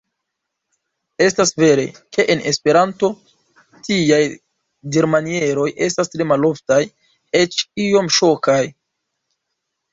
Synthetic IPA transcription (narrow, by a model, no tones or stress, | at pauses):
e̞stasve̞ɾe̞̰kʰe̞ʔenespe̞ɾanto̞ | tiaj | deɾmanie̞ɾo̞je̞stastɾe̞malo̞ftaj | e̞t͡ʃio̞mʃo̞kaj